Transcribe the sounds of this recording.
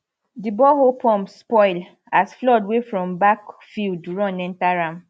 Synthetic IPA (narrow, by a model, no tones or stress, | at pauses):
dibɔhopʰɔ̃mspɔɪl | asflɔdwefɹɔ̃mbakfilduɹɔ̃nɛ̃ntaɹãm